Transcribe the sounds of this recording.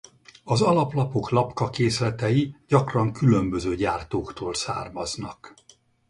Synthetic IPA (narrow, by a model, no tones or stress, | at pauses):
ɒzɒlɒplɒpo̞klɒpkɒkeːslɛt̪ɛjiɟɒkrɒŋkylø̞mbøzøːɟaːrt̪oːkt̪oːlsa̰ːrmɒznɒk